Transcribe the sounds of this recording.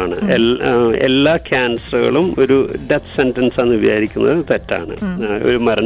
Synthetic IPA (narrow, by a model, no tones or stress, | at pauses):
ɳɨ̰ee̞̰lːaːkʰʲaːnsɐrɐɣɐ̰ɭumo̞ɾuɖet̪ʰsentɐnseːnːibɐja̰ːɾikʲːunːɐðɨt̪etːa̰ːɳɨ̰o̞̰ɾumɐɾɐ